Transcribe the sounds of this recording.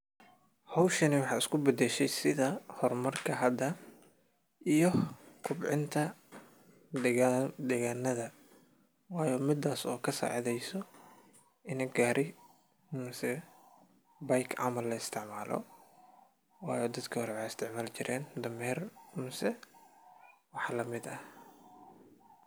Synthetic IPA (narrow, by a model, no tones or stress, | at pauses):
hɔwʃɐnɪwɑħɑːɪskʰʊbɐd̪ɛʃɛjsɪðɐhɔrmɐrkʰɐɦɐd̪ɐ | ʔijɔkʰʊbʕɪ̰nt̪ʰɐ | d̪ɛd̪ɛːɣaːnːɐðɐ | wɑːjɔːmɪd̪aːsɔːkʰɐsa̰ːʕðɛjsɔ | ʔɪnɛɡaːɾʔɪ | mʊsɛ | bɐjkʰʕɑ̰mɐlːɐɪst̪ʰɪʕmaːlɔ̰ | wɑːjɔːd̪ɐd̪kʰɐhɔɾɛwɑjɪst̪ʰɪʕmaːlt͡ʃɪɾʔɛːnd̪ɐmɛːrmʊsɛ | wɑħlɐmɪd̪ɐ